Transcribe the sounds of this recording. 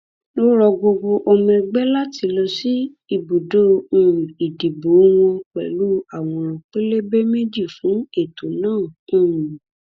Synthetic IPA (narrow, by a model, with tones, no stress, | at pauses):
lo˦ɾɔ˧ɡ͡bo˧ɡ͡bo˧ʔɔ˧mɛ̃˧ɡ͡bɛ˦la˦ti˨˧lɔ˧si˦ | i˧˨bu˨dõ˦˨i˨di˨bo˨˦w̃ɔ̃˧k͡pɛ̰˨lu˦a˦˨w̃ɔ̃˧ɾ̃ɔ̃˨k͡pe˦le˦be˦me˦d͡ʒi˦˨fũ˨˦e˦˨to˨nãː˦˨˦